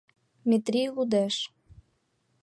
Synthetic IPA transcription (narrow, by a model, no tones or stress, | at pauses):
mʲet̪ɾʲilud̪ɛʃ